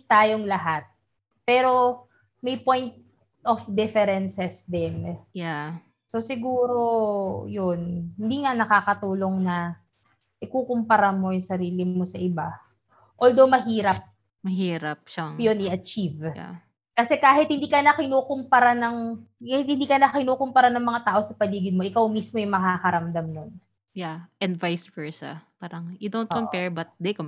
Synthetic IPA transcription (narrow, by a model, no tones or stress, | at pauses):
st̪aːjoŋlɐɦat̪̚ | pɛːɾo̞ | mɐjpojnt̪̚ | ʔofd̪ɪfɛɾɛnsɛsd̪ɛnja | so̞sɪɡuːɾo̞jonhɪnd̪iːŋaʔnɐkaːkɐt̪uːlo̞ŋnɐ | ʔɪkuːkompɐɾamo̞jʊŋsɐɾiːlɪo̞sɐʔɪba | ʔoːld̪o̞mɐɦiːɾɐp̚ | mɐɦiːɾɐp̚ʃaŋjonʔɪʔɐt͡ʃiv̰ | kɐsɛkaːɦɪt̪̚hɪnd̪iːkɐnɐkɪnuːkompɐɾanɐŋahɪt̪̚hɪnd̪iːkɐnɐkɪnuːkʊmpɐɾanɐŋmɐŋat̪aːʔo̞sɐpɐliːɡɪd̪̚mo̞ʔɪkawmismo̞jʊŋmɐkakɐɾɐmd̪amnon | jaʔɛd̪vajsvɛɹsa̰paːɾɐŋɪd̪ont̪kompɛɹbɐt̪̚d̪ɛkom